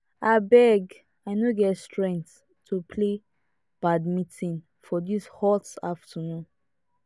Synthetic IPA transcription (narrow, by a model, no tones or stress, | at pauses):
abɛɡ | aɪnoɡɛtstʰɹɛ̃ŋt | tʰːupʰle | b̥admitĩn | fɔdishɔtaftʰənũn